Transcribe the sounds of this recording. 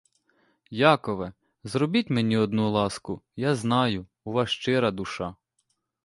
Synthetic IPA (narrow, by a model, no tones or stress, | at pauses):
jɑkɔʋɛ | zɾɔbʲitʲmenʲiɔd̪nulˠɑskʊjɑznɑjʊːʋɑʃt͡ʃɪɾɐd̪ʊʃɑ